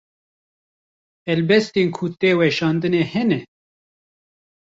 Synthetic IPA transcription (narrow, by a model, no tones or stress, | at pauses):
ɛlbɛst̪eːnkʰut̪eːwɛʃɑːnd̪ɨnehɛnɛ